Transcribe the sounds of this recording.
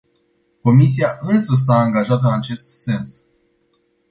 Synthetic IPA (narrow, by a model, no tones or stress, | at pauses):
ko̞mis̬iaʔɨnsəs̬aːŋɡaʒat̪ɨnat͡ʃe̞st̪se̞ns